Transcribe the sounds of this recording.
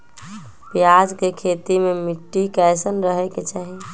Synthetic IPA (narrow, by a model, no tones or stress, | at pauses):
pjad͡ʒkekʰet̪imemiʈːikajsənɾəɦɛket͡ʃaɦi